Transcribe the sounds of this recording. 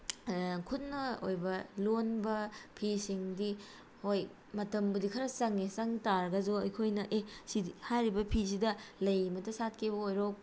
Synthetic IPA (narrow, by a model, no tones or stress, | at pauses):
kʰutnɐo̰jbɐlonbɐpʰisiŋdi | hoj | mɐtɐmbudikʰɐɾɐsɐŋesɐŋtaɾɡɐzuɐjkʰojnɐʔesiihajɾibɐpʰis̬idɐlɐjmɐtɐsat̚kʰebɐojɾok̚